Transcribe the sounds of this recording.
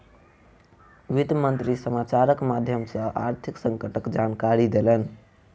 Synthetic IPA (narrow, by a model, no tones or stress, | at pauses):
ʋit̪mənt̪ɾisəmat͡ʃaɾəkmad̪ʱjəmsəʔaɾt̪ʰiksəŋkəʈəkd͡ʒankaɾid̪elən